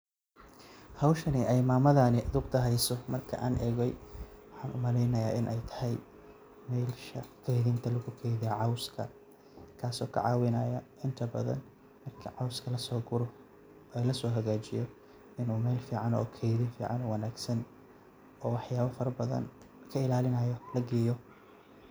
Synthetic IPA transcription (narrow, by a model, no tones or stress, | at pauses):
hɐwʃɐnɪʔɛjmaːmɐðaːnɪʔɐðʊqt̪ʰɐɦɛjsɔmɐrkʰɐ̰ʔaːnʔɛːɣɛjwɑħɑːnʊmɐlɛjnɐja̰ːʔɪnʔɛjt̪ʰɐ̥hɛj | mɛjlʃɐkʰɛjðɪnt̪ʰɐlɐɣʊkʰɛjðɪjɐʕɑwskʰɐ | kʰaːsɔːkʰɐ̰ʕɑ̰ːwɪnɐːjɐɪnt̪ʰɐbɐ̰ðɐ̰n | mɐrkʰɐʕɑwskʰɐlɐsɔːɡʊɾɔ | ɛːlɐsɔːɦɐɣaːt͡ʃɪjɔ | ɪnuːmɛjlfiːʕɑnɔ̰ːkʰɛjðɪnfiːʕɑ̰nɔːwɐnaːɡsɐn | ɔːwɑħjaːβɐfɐɾɐbɐðɐ̰n | kʰɐɪlaːlɪnɐjɔlɐɡɛːjɔ